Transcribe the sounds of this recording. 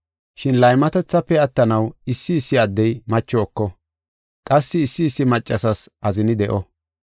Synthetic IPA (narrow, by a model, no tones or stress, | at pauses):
ʃɪnlɐjmɐt̪ɛt͡sːɐpːɛɐt̪ːɐnɐwɪsːɪːsːɪɐd̪ːɛjmɐt͡ʃːɔːkːɔ | kʼɐsːɪːsːɪːsːɪmɐt͡ʃʼːɐsɐsʔɐzɪnɪd̪ɛʔɔ